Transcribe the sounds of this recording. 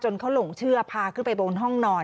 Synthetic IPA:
t͡ɕo˧nkʰa˦˥wlo˨˩˦ŋt͡ɕʰɯ˥˩ɐpʰaː˧kʰɯ˥˩pa˧jboː˧nɦɔ˥˩ŋnɔː˧n

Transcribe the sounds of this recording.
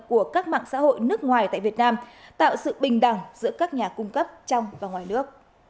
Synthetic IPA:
ku˧˩əkaː˦˥k̚ma̰ː˧˨ŋsa̰ː˧˥ho̰˧˨jnɨ˦˥ək̚ŋwaː˨˩jt̪a̰ː˧˨jvi˨˩ət̚naː˧mt̪a̰ː˧˨wsɨ̰˧˨ɓï˨˩ŋ̟ɗa˨˩ŋzɨ̰˧˥əkaː˦˥k̚ɲaː˨˩kʊ˧ŋ͡mkə˦˥p̚t͡ɕɔ˧wŋ͡mvaː˨˩ŋwaː˨˩jnɨ˦˥ək̚

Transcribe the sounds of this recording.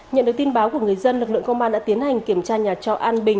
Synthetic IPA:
ɲə̰˧˨nɗɨ˨˩əkt̪i˧nɓaː˨˦wku˧˩əŋɨ˨˩əjzə˧nlɨ˨˩k̚lɨ̰˧˨əŋkə˧wŋ͡mʔaː˧nɗa̰ː˧˥t̪i˨˦nha˨˩jŋ̟ki˧˩əmt͡ɕaː˧ɲaː˨˩t͡ɕɔ̰˧˩ʔaː˧nɓï˨˩ŋ

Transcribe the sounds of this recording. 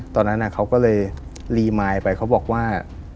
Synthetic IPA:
t̪ɔː˧nːa˦˥nːʔa˨˩kʰa˦˥wkɔː˥˩lɤː˧j | liː˧maː˧jpa˧jkʰa˦˥wbɔː˨˩k̚waː˥˩

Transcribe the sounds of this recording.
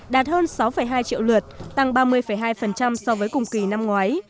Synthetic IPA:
ɗaː˨˩t̚həː˧nsa˨˦wfə˧˩jɦaː˧jt͡ɕḭ˧˨wlɨ˨˩t̚t̪a˧˩ŋɓaː˧mɨ˧əjfə˧˩jɦaː˧jfə˨˩nt͡ɕa˧msɔ˧vəː˨˦jkʊ˨˩ŋ͡mki˨˧˩na˧mŋwaː˨˦j

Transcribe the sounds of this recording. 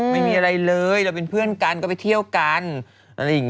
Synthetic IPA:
ma˥˩jmiː˧ʔa˧ɾa˧jlɤː˧jɾa˧wp̬e˧npʰɯ˥˩ənka˧nkɔː˥˩pa˨jt̪ʰi˥˩əwka˧n | ʔa˧ɾa˧jːa˨˩ŋ

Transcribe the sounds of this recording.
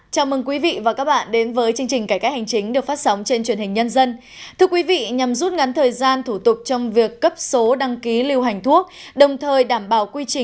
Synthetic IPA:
t͡ɕaː˨˧˩wmɨ˨˧˩ŋk̬wi˨˦vḭ˧˨vaː˨˩kaː˦˥k̚ɓa̰ː˧˨nɗe˨˦nvəː˨˦jt͡ɕɨ˧əŋt͡ɕï˨˩ŋ̟kaː˧˩kaː˦˥k̚ha˨˩jŋ̟t͡ɕï˨˦ŋ̟ɗɨ˨˩ək̚faː˦˥t̚sə˨˦wŋ͡mt͡ɕe˧nt͡ɕwi˧˩ənhï˨˩ŋ̟ɲə˧nzə˧n | t̪ʰɨ˧əkwi˨˦vḭ˧˨ɲa˨˩mzu˦˥t̚ŋa˨˦nt̪ʰəː˨˩jzaː˧nt̪ʰu˧˩t̪ʊ˨˩k͡p̚t͡ɕɔ˧wŋ͡mvi˨˩əkːə˦˥p̚so˨˦ɗa˧ŋki˨˦li˧əwɦa˨˩jŋ̟t̪ʰu˦˥ək̚ɗə˨˩wŋ͡mt̪ʰəː˨˩jɗaː˧˩mɓaː˧˩wkwi˧t͡ɕï˨˩

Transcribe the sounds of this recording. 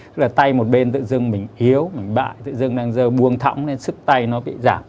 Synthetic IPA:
ɨ˦˥k̚laː˨˩t̪a˧jmo˨˩t̚ɓe˧nt̪ɨ̰˧˨zɨ˧ŋmï˨˩ŋ̟ʔi˨˦əwmï˨˩ŋ̟ɓa̰ː˧˨jt̪ɨ̰˧˨zɨ˧ŋɗaː˧ŋzəː˧ɓu˧əŋt̪ʰa̰˧˦wŋ͡mne˨˧nsɨ˦˥k̚t̪a˧jnɔ˨˦ɓḭ˧˨zaː˧˩m

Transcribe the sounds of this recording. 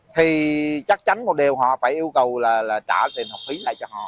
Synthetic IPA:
t̪ʰi˨˩t͡ɕa˦˥k̚t͡ɕa˨˦nmo˨˩t̚ɗi˨˩əwɦɔ̰˧˨faː˧˩jʔi˧əwkə˨˩wlaː˨˩laː˨˩t͡ɕaː˧˩t̪i˨˩nha˨˩xi˨˦la̰ː˧˨jt͡ɕɔ˧hɔ̰˧˨

